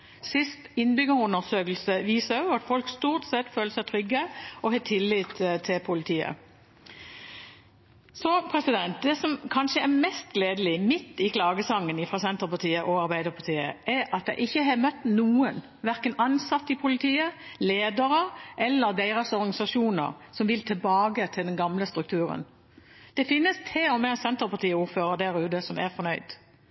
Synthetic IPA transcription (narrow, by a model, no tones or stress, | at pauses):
sɪst̪ɪnbʏɡəʁʊnəʁsøːkəl̩səʋiːsəʊɑt̪fɔlkst̪uːʁt̪sɛt̪føːləsæɪt̪ʰʁʏɡːəɔhɛːt̪ʰɪlːiːt̪t̪ʰːɪlpʰʊlɪt̪ʰiːə̰ | sɔpʰʁɛsɪd̪ɛnt̪̚d̪ɛsɔmkʰɑnʂəɛʁmɛst̪̚ɡleːd̪əlɪmɪt̪ːɪkʰlɑːɡəsɑŋːənɪfʁɑsɛnt̪ʁəpɑʁt̪iːəʔɔɑʁbæɪd̪əʁpʰɑt̪ʰiːə̰ʔɛɾɑt̪j̪æ̰ɪʔɪçːəɦɑmœt̪ːnuːən | ʋæɾkənɑnsɑt̪ːɪpʰʊlɪt̪ʰiːəleːd̪əɾəʔɛlːəɾd̪æɪʁəsɔɾɡnɑɪsɑʂuːnə̰ʁsɔmʋɪlt̪ʰɪlbɑːɡət̪ʰɪld̪ɛnɡɑmləst̪ɾʉkt̪ʰʉːɾə̰n | d̪̥ɛfɪnːəst̪ʰeːɔmɛsɛnt̪əɾpɑʁt̪ʰiːəuːɾføːɾəd̪æɾʉːd̪əsɔmæ̰ʁfɔɾnœʏd̪̥